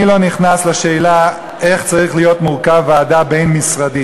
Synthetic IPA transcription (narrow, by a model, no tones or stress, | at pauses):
ilo̞niχnasleʃe̞ːla | e̞χt͡saʁiχlijo̞tmuʁkaveadabe̞jnmisʁadi